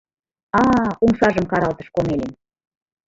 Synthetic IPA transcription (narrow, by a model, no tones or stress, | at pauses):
ɑuŋʃɑʒəmkɑɾɑlt̪ə̥̆ʃkomelem